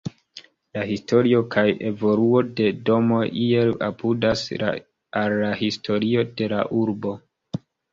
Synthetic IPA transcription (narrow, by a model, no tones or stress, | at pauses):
laɦisto̞ɾio̞kʰaje̞vo̞luo̞de̞do̞mo̞ʔie̞la̰pʰudas | alːaɦistʰo̞ɾio̞de̞la̰ʔuɾbo̞